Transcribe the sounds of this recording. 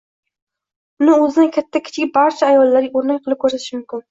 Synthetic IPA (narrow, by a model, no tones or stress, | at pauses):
ʊnɪɵzɪd̪ɪnkʲʰat̪ʰːakʲʰɪ̥t͡ʃʰɡʲɪbaɾt͡ʃʰaːjɒlˠːaɾɡʲaoɾnak̚ʲqʰɨlˠɪp̚kʰɵɾsat̪ɪʃɪmʊmkʲɪn